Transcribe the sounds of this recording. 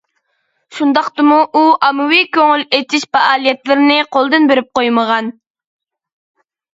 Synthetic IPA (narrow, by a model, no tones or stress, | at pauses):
ʃund̪ɑqt̪ɨmuʔuʔɑmɨwikʲøŋylet̪ʰiʃpɑʔɑːlˠijɛt̪lɪɾɪnɪqʰolˠd̪ɨnbeɾyp̚qojməʁɑn